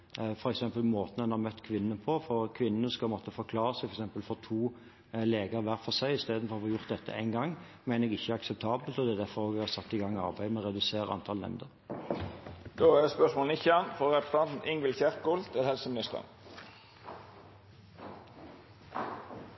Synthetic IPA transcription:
fɔɾɛksɛmpəlmoːt̪ən̩ɛnhɑʁmœt̪ːkʰʋɪnːənəpʰɔfɔɾkʰʋɪnːənəskɑmɔt̪ʰːəfɔɾkʰlɑːʁəsæɪfɔɛksɛmpəlfɔt̪ʰuː | leːɡəʁʋæɾfɔsæɪɪst̪eːd̪nfɔʁɑfɔjʊʁt̪̚d̪ɛt̪ʰːə̰ʔæ̰ɪnɡɑŋː | mæɪnəɛɡɪçːəæɾɑksɛp̚t̪ʰɑːbəlt̪ɔd̪ɛæd̪æɾfɔɾoːɡɛɡhɑsɑt̪ːɪɡɑŋːɑ̰ɾbæɪmɛʁɛd̪ʉseːʁəɑ̰nt̪ʰɑlnɛ̰mnd̪əʁ | d̪oːæspœʂmoːln̩ɪçɑnfɔɾɾɛpə̥st̪ʰɑnt̪n̩ɪŋɡəlçæɾkkʊlt̪ʰɪlhɛlsəmɪnɪst̪ə̰ʁ

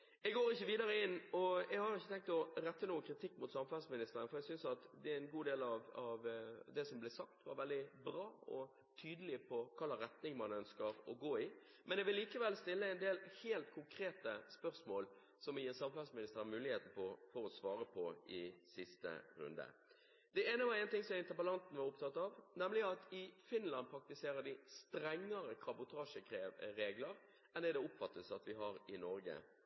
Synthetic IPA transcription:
ɛɡoːɾɪçːəʋiːd̪ɑɾəɪnːɔɛɡhɑɾjʊɪçːət̪ɛŋk̚t̪ɔɾɛt̪ːənuːəkʰɾɪt̪ʰɪkːmʊt̪sɑmfɑlsmɪnɪst̪əɾənəfɔɾɛɡsʏnsɑt̪d̪ɛæɛnɡuːd̪eːlɑʋɑʋd̪ɛsɔmblɛsɑk̚t̪ʋɑɾʋɛld̪ɪbɾɑːɔ̰ | t̪ʰyːd̪əlɪpʰɔkʰɑlɑɾɛt̪nɪŋmɑnœnskəɾɔɡoːɪ | mɛnɛɡʋɪlliːkəʋɛlst̪ɪlːəɛnd̪eːlheːlt̪kʰʊŋkʰɾeːt̪əspœʁsmoːl | sɔmjsɑmfɑlsmɪnɪst̪əɾəmʉːlɪheːt̪n̩pʰɔfɔɾɔsʋɑːɾəpʰɔɪsɪst̪ə̰ɾʉ̰nd̪ə̰ | d̪ɛeːnəʋæɾɛɪnt̪ɪŋsɔmæɪnt̪əpəlɑnt̪n̩ʋɑɾʊpt̪ʰɑt̪ːɑʋnɛmlɪɑt̪ɪfɪnlɑn̚pʰɾɑk̚t̪ɪseːɾəd̪ɪst̪ɾɛŋːəɾəkʰɾɑbʊt̪ʰɑːʂəkeɾeːɡləɾ | ɛnɛd̪ɛʊpfɑt̪ːəsɑt̪ʋɪɦɑɾɪnɔɾɡə̰

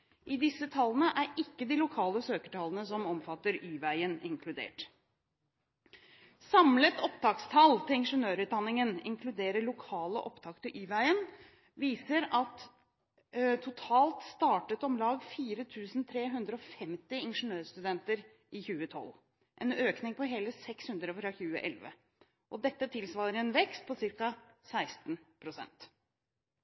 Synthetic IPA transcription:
ʔɪd̪ɪsːət̪ʰɑlːənəʔæɾɪkːəd̪ɪlʊkʰɑːləsøːkə̥ʈʰɑlənəsɔmɔmfɑt̪ːəɾyːʋæɪənɪŋkʰlʉd̪ḛːʈ | sɑmlət̪ɔpt̪ʰɑːkst̪ʰɑlt̪ʰɪlɪnʂənøːɾʉːt̪̚d̪ɑnːɪŋənɪ̰ŋkʰlʉd̪eːɾəɭʊkʰɑːləʔɔpt̪ʰɑkt̪ʰɪʔyːʋæɪən | ʋiːsəɾɑt̪ | t̪ʰʊt̪ʰɑːlt̪st̪ɑːʈət̪ɔmlɑːɡfiːɾət̪ʰʉːsn̩t̪ʰɾeːɦʉnd̪ɾəɔfɛmt̪ɪɪnʂənøːɾst̪ʉd̪ɛnt̪əɾ | ʔɪçʉːət̪ʰɔ̰l | ʔɛnøːknɪŋpʰɔɦeːləsɛkshʉnd̪ɾəfɾɑçʉːə̰ʔɛlʋə̰ | ʔɔd̪ɛt̪ːət̪ʰɪlsʋɑːɾəɾɛnʋɛkst̪̚pʰɔsɪɾkɑ | sæɪst̪n̩pʰɾʊsɛ̰nt̪

